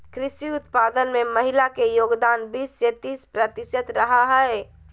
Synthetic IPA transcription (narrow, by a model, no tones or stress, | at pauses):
kɾɪʃiʊt̪paːd̪ənmẽməɦɪlakejoːɡd̪aːnbiːsset̪iːspɾət̪ɪʃət̪ɾəɦaɦɛe